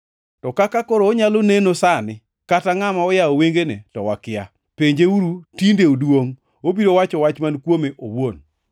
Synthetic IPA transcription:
tɔkakakoɾoːɲalonenosanɪ | kataŋamaɔjaoweŋɡenetɔwakɪja | peɲd͡ʒeuɾutindeodwoŋ | obiɾowat͡ʃɔwat͡ʃmankwomeʔowon

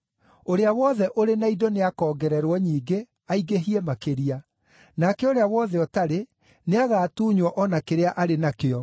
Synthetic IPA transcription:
oɾeawɔðɛʔoɾenaidoneakɔːɡɛɾɛɾwɔɲiːɡe | aiɣeɦiemakeɾia | nakɛoɾeawɔðɛɔtaɾe | neaɣaːtuːɲwɔʔɔnakeɾeaʔaɾenakeɔ

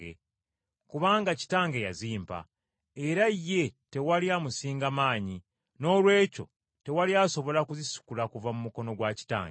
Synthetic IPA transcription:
ḛ | kuβaːŋɡaci̥taːŋɡe̞ja̰ziːmpa̰ | e̞ɾajːe̞te̞waliamusiːŋɡamaːɲi | no̞ːlwe̞ːco̞̰ | te̞waliaso̞βo̞lakuzisu̥kulakuvamumuko̞no̞ɡwaci̥ta̰ːŋɡe

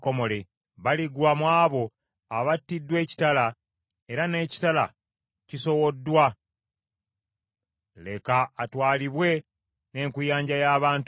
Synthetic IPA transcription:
ko̞mo̞le̞ | βaliɡwamwaːβo̞ | aβatːidːwe̞ːci̥tala | e̞ɾane̞ːci̥tala̰ | ciso̞wo̞dːwa | le̞kaːtwaːliβwe̞ | ne̞ːŋkujaːɲɟajaːβaːnt

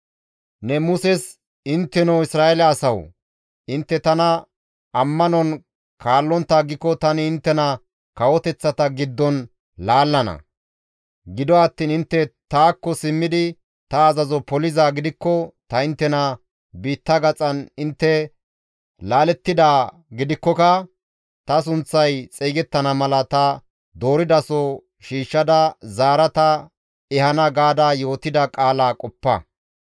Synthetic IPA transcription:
nɛmʊsɛs | ɪnt̪ːɛnɐwɪsɾaːɛlɐːsɐw | ʔɪnt̪ːɛt̪ɐnɐ | ɐmːɐnɔn | kʰaːlːɔnt̪ːaːɡɪkːɔt̪ɐnɪɪnt̪ːɛnɐ | kɐwɔt̪ɛt͡sːɐt̪ɐɡɪd̪ːɔn | laːlːɐnɐ̰ | ɡɪd̪ɔɐt̪ːiːnɪnt̪ːɛt̪aːkːɔsɪmːɪd̪ɪ | t̪ɐːzɐzɔpɔlɪzaːɡɪd̪ɪkːɔt̪ɐɪnt̪ːɛnɐ | biːt̪ːɐɡɐt͡sʼɐnɪnt̪ːɛ | laːlɛt̪ːɪd̪aː | ɡɪd̪ɪkːɔkɐ | t̪ɐs̬ʊnt͡sːɐjt͡sʼɛːɡɛt̪ːɐnɐmɐlɐt̪ɐ | d̪o̞ːɾɪd̪ɐsɔ | ʃiːʃːɐd̪ɐzaːɾɐt̪ɐ | ɛhɐnɐɡaːd̪aːjo̞ːt̪ɪd̪ɐkʼaːlaːkʼɔpːɐ̰

